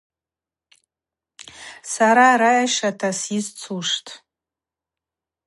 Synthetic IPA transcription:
saɾaɾajaʃatʰasizt͡sʰuʂtʼ

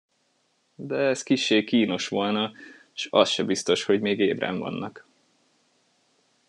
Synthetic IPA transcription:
d̪ɛɛskiʃːeːkiːno̞ʃʋo̞lnɒ | ʃɒsʃɛbist̪o̞ʃho̞ɟmeːɡeːbrɛ̰ɱvɒ̰nːɒk

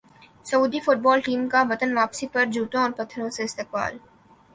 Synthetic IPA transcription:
sɐuːd̪ifʊʈ̚bɔːlʈiːmkaʋɐt̪ənʋaːpsipɐɾd͡ʒʱuːʈõɔːɾpɐt̪ʰːɾõseɪst̪ɪːq̚ba̰ːl

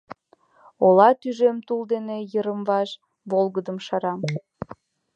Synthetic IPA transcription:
olɑt̪yʒemt̪uld̪enejəɾəmβɑʃ | βolˠɣəd̪əmʃɑɾɑm

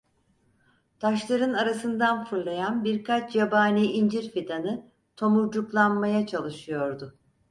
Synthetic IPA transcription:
t̪ʰaʃlˠaɾɯnaɾasɯnd̪anfɯɾlˠajanbiɾkʰat͡ʃʰjabaːniːind͡ʒiɾfit̪ʰanɯ | t̪ʰo̞muɾd͡ʒuklˠanmajat͡ʃʰalˠɯʃɯjo̞ɾd̪ʊ

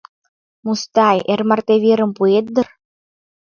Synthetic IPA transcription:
must̪ɑjermɑrt̪eβʲeɾə̆mpuet̪̚d̪ə̆r

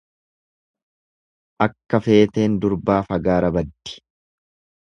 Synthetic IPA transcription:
ʔɐkːɐfe̞ːt̪e̞ːnd̪ʊɾbaːfɐɡaːɾɐbɐd̪ːɪ̥

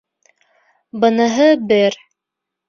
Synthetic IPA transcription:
bɤ̆nɤɦɤbɘɾ

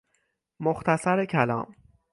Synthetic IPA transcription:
oxt̪ʰæsæɾecʰælɒ̰ːm

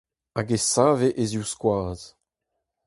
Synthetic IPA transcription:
aɡesaːveʔeziwskwaːz̥

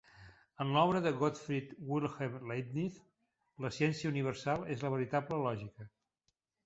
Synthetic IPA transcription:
ənlɔβɾəðəɣɔt̪fɾit̪wilˠxemlet̪niθ | ləsiɛnsiəuniβəɾsalˠezləβəɾit̪abləlɔʒikə

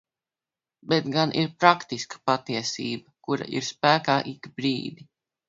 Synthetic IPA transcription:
bɛt̪ɡanʔiɾpɾakt̪iskə̥pat̪iɛsḭːbɐkuɾa̰ʔḭɾspæːkaːʔikbɾḭːd̪i

